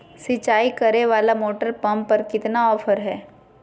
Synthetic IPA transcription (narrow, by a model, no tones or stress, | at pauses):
sɪt͡ʃaːikɐɾeʋaːlamoːʈəɾpɐ̃mpɐɾkɪt̪naɔːfʰəɾɦɛː